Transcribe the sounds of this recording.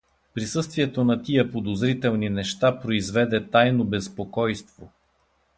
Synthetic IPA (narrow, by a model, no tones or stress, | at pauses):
pɾisɤst̪viɛt̪onɐt̪ijɐpod̪ozɾit̪ɛlˠninɛʃt̪apɾoizvɛd̪ɛt̪ajnobɛspokɔjst̪vo